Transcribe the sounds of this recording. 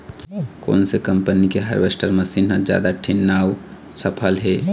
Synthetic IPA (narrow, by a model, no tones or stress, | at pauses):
ko̰ːnsekəmpənikeɦaɾbesʈəɾməsinɦə̃d͡ʒja̰ːd̪aʈʰinːaw | səpʰəlɦe